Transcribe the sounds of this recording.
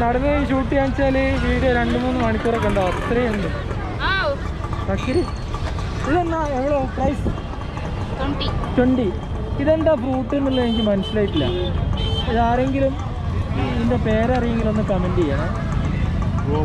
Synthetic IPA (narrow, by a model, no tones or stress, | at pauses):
nɐɽɐnːeɕuːʈːiant͡ɕaːliʋiːɾɐɾe̞ɳɖɨmuːnːɨmɐɳikʲːuːrekːɐɳɖaot̪ːrɐjend̪ɨ | kɐkːiɾi | ʋiɭenːaeʋiɭeprɐjs | tweɳɖi | iðe̞nd̪aːbruːʈːinːinːɐenik̬ʲːlmɐnusilaːjiʈːilːɐ̰ | iðaːɾe̞ŋɡilum | inːepe̞ːɾeɐrijeŋɡilo̞nːɨpɐmɐndijaɳɐ